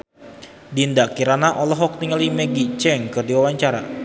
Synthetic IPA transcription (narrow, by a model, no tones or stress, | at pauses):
dindaʔkiɾanaʔɔlɔɦɔk̚t̪iŋəlimɛɡit͡ʃɛŋkɨrdiwawaɲt͡ʃaɾa̰